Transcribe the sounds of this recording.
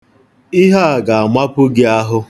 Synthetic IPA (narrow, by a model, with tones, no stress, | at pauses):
ɪ˦ɦa˦a˨ɡa˨a˨mʷa˦pʊ˦ɡɪ˦a˦ɦʊ˦